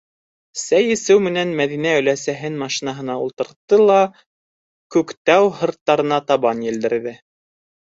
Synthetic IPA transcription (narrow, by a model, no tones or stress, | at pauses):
sæjɘ̆sɘwmɘ̆nænmæðinæɵ̆læsæɦɘnmɑʃinɑɦɤ̆nɑulˠt̪ɤ̆ɾt̪ːɤlˠɑ | kʉkt̪æwhɤ̆ɾt̪ːɑɾɤ̆nɑt̪ɑβɑnjɘ̆ld̪ɘ̆ɾðɘ